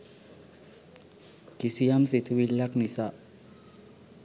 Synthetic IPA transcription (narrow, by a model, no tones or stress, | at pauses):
kisijamsit̪ʰʋilːaknisa